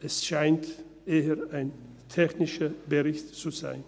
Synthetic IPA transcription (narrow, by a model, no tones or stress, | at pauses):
ʔɛsʃaɪnt | ʔeːəaɪn | tʰɛçnɪʃɐbəʁɪçtt͡suza̰ɪn